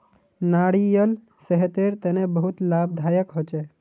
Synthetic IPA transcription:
naːɽijəl | səɦt̪eɾt̪enebəɦut̪laːb̚d̪ʱaːjəkɦot͡ʃe

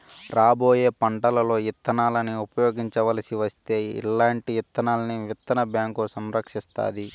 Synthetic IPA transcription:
ɾaːbo̞ːje̞ːpɐɳʈɐlɐlo̞ːit̪ːɐnaːlɐniupɐjo̞ːɡiɲt͡ʃɐʋɐlɐsiʋɐst̪e̞ːḭlːaːɳʈijit̪ːɐnaːlɐniʋit̪ːɐnɐbjaːŋkusɐmɾɐkʂist̪a̰ːd̪i

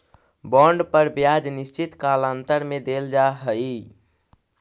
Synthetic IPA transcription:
bɔ̃ɳɖpəɾbjad͡ʒnist͡ʃit̪kalant̪əɾmed̪eld͡ʒaɦəi

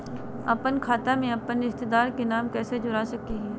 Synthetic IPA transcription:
ɐpənkʰaːt̪amẽɐpənɪst̪ɪd̪aːɾkenaːmkɛːsed͡ʒʊɾasɐkiɦɛː

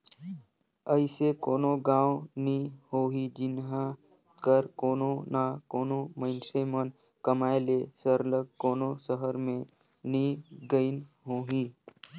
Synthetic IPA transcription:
əɪsekoːnoɡãːwnihoːɦid͡ʒɪnɦa | kəɾkoːnonakoːnomə̃ɪnsemən | kəmaːelesəɾləɡkoːnosəɦəɾmẽ | niɡəɪnɦoːɦiː

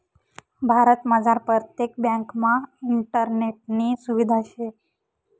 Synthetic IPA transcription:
bʱaɾət̪məd͡zaɾpɾət̪jek̚bjãŋkmãiɳʈəɾneʈ̚nisuʋid̪ʱaʃe

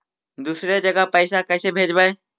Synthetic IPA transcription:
d̪uːsɾed͡ʒəɡapəɪsakɛːsebʱeːd͡ʒbae

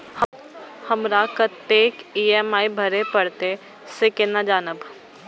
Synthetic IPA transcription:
hə | həmɾakət̪ːeːkiːɛmaːibʱɐɾepəɽt̪e | sekɪnad͡ʒaːnəb

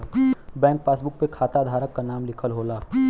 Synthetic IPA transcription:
bɛ̃ːŋk̚paːsbʊk̚pekʰaːt̪ad̪ʱaːɾəkːanaːmlɪkʰəlɦoːlaː

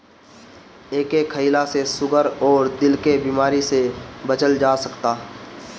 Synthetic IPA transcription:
eːkekʰəilasesʊɡʱəɾɔːɾd̪ɪlkebiːmaːɾisebət͡ʃəld͡ʒaːsɐkt̪aː

